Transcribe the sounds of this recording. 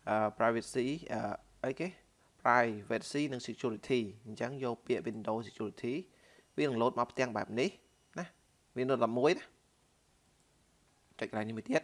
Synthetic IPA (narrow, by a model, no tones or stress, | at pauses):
ʔəːpraɛʋit̪siːʔəː | ʔəjkeː | praɛjʋɛːt̪̚siːnɨŋsekʰjuːɾit̪ʰiːɲt͡ɕəŋjoːlpiəʔʋinɗoːsekʰjuːɾit̪ʰiː | ʋiənɨŋloːt̪̚mapʰt̪ɛ̆əŋɓa̰ɛp̚nih | nah | ʋiənɨət̪̚ɗɑp̚muəjna | t͡ɕac̚kəɗaːjnihmuət̪iət̪̚